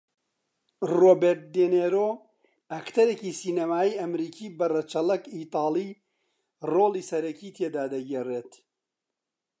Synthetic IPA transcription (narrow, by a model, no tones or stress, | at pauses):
roːbeɾt̪̚d̪eneːɾoː | ɐkt̪ʰɐɾekiːsiːnɐmaːiːɐmɾiːkʰiːbɐrɐt͡ʃɐlɐkiːt̪ɑːliː | roːliːsɐɾɐkiːt̪ʰeːd̪aːd̪ɐɡereːt̪